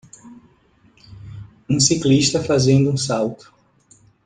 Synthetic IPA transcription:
ũsikliʃt̪ɐfazẽnd̪ʊuũsawt̪ʊ̥

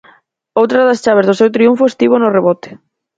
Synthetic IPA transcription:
owt̪ɾɐðɐst͡ʃaβ̞ezðʊsewt̪ɾiuɱfoest̪iβ̞onʊreβɔt̪e̥

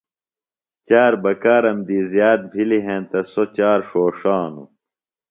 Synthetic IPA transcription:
t͡ɕaːɾbɐkaːɾɐmd̪iːzjaːt̪̚bʱiliɦẽnt̪ɐsot͡ɕaːɾʂoːʂaːnṵ

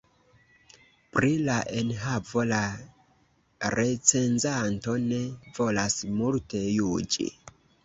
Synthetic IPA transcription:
pɾilaʔe̞nɦavo̞la | ɾʔe̞t͡se̞nzanto̞ne̞vo̞lasmulte̞jud͡ʒḭ

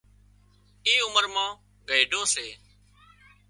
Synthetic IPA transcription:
iːʊməɾmãː | ɡəiːɖʱõːseː

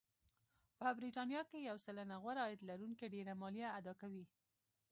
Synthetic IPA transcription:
pəbɾit̪ɑnjɑkejawsalanaɣwaɾɑjɪd̪laɾuŋkeɖeɾamɑljaːd̪ɑkawi

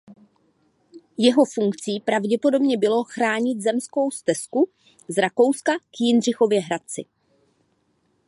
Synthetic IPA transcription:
jɛɦo̞fuŋkt͡siːpɾavɟɛpo̞do̞bɲɛbɪlo̞xɾaːɲɪt̪zɛmsko̞wst̪ɛsku | zɾako̞wskakjɪnr̝ɪxo̞vjɛɦɾat̪̚t͡sɪ̰

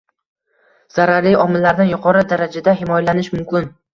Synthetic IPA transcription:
z̥aɾaɾlɪɒmɪlːaɾnɪnjʊqʰɒɾɪd̪aɾad͡ʒad̪ahɪmɒjalanɪʃmʊmkʲɪn

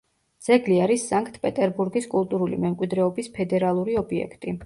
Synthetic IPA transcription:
d̪z̥ɛɡliaɾisːaŋkʼt̪ʰʼpʼɛt̪ʼɛɾbuɾɡiskʼulˠt̪ʼuɾulḭmɛmkʼwid̪ɾɛɔbispʰɛd̪ɛɾalˠuɾiɔbiɛ̰kʰt̪ʼi

